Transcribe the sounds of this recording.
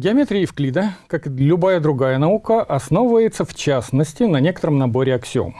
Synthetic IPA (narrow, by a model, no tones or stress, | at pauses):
ɡʲɪɐmʲet̪ɾʲiɪfklʲid̪əkaklʲʊbajəd̪ɾʊɡajənɐukəʔɐsnovvəjɪt̪səft͡ɕasnəsʲtʲɪnɐnʲe̞kət̪əɾəmnɐbo̞ɾʲɪɐksʲɪo̰m